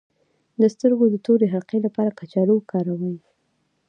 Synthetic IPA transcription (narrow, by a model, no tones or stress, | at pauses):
d̪əst̪əɾɡod̪ət̪oɾeɦaɾqelapɑɾakat͡ʃɑluwkʰɑɾawəw